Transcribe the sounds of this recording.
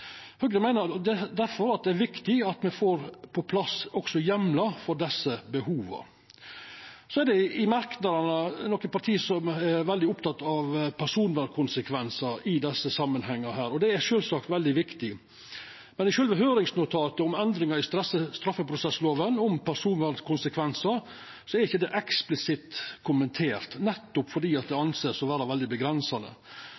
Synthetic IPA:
høɡɾəmæɪnəd̪ɛd̪æɾfɔɾɑt̪̚d̪ɛæɾʋɪkt̪ɪɑt̪mɛfoːɾpʰɔpʰlɑsɔɡsɔjɛmlɑfɔɖɛsːəbəhuːʋə̰ | sɔɛɾɖɛɪɪmɑɾknɑd̪əɳənɔkːəpɑɾʈt̪ʰiːsɔmɛɾʋɛld̪ɪʊpt̪ʰɑt̪ːɑʋpʰæɾʂuːnʋæɾkʰʊnsəkʰʋɛnsəɾɪd̪ɛsːəsɑmːənhɛŋːəhæːɾɔd̪ɛɛʃøːlsɑːkt̪ʋɛld̪ɪʋɪkt̪ɪ | mɛnɪʃøːlʋɛɦøːɾɪŋsnʊt̪ʰɑːt̪əʊmɛnd̪ɾɪŋɑɾɪst̪səst̪ɾɑfːəpʰɾʊsɛsloːʋənʊmpʰæɾʂuːnʋæɾkʰʊnsəkʰʋɛnsəɾ | sɔɛɾɪçːəd̪ɛʔɛksplɪsɪt̪kʰʊmənt̪ʰeːɾt̪nɛt̪ːʊpfɔɖiːɑt̪̚d̪ɛɑnseːsɔʋæːɾəʋɛld̪ɪbəɡɾɛnsɑnə̰

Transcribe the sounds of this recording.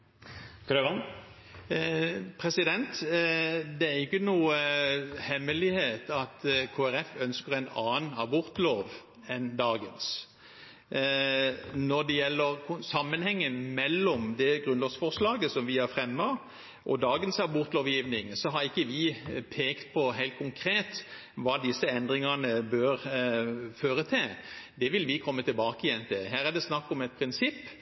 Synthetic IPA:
kʰɾøʋɑn | pʰɾɛsɪd̪ɛnt̪ | d̪ɛæɾɪkːənuːəhɛmːəlɪheːt̪ɑt̪kʰoːæɾɛfœnskəʁɛnɑːnɑbʊɾt̪loːʋ | ɛnd̪ɑːɡəns | nɔd̪ɛjɛlːəɾkʰʊsɑmːənhɛŋːəmɛlːɔmd̪ɛɡʁʉnloːsfɔʁʂlɑːɡəsɔmʋɪhɑfʁɛmːɑ | ʔɔd̪ɑːɡənsɑbʊɾt̪loːʋjiːʋnɪŋsɔɦɑɾɪkːəʋɪpʰeːkt̪̚pʰɔɦæɪlt̪̚kʰʊŋkʰɾeːt̪ | ʋɑːd̪ɪsːəɛnd̪ɾɪŋɑnəbøɾ | føːɾət̪ʰɪld̪ɛʋɪlʋɪkʰɔmːət̪ɪlbɑːkəɪjɛnt̪ʰɪlɦæːʁæd̪ɛsnɑkːɔmɛt̪̚pʰɾɪnsɪpː

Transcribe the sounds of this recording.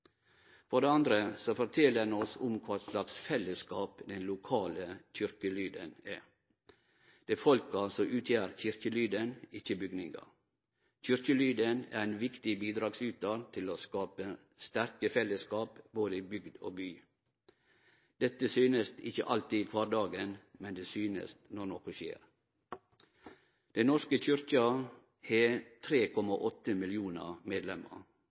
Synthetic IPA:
fɔɖeːɑnd̪ɾəsofɔɾt̪ʰɛləɛnɔsʊmkʰʋɑːslɑksfɛləskɑːpd̪ɛnlʊkʰɑːləc͡çʏɾkəlyːd̪ə̰næ | d̪̥eːfɔlkəɑlsɔʔʉːt̪ʰjæːɾçʏɾçəlyːd̪ənɪçəbʏɡnɪŋɡɑ̰ | çʏɾkəlyːd̪ənæ̰ɾænʋɪkt̪ɪbiːd̪ɾɑːɡsʉːt̪̚d̪ɑːt̪ʰɪloːskɑːpə | st̪æɾkəfɛləskɑːpboːd̪əibʏɡd̪o̰ːbyː | d̪̥ɛt̪ːəsyːnəst̪ɪçə̰ʔɑlt̪iːkʰʋɑːɾd̪ɑːɡənmɛnd̪eːsyːnə̰snɔnɔkʊʃḛːɾ | d̪̥ɛɪnɔʂkəc͡çʏɾçɑ | het̪ʰɾeːkʰɔmɑʔɔt̪ːəmɪljuːnə̰meːd̪lɛmə̰ɾ

